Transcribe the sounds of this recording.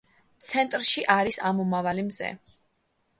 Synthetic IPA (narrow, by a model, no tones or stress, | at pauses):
t̪sʰɛnt̪ʼɾʃiʔaɾisamumavalimzɛ̰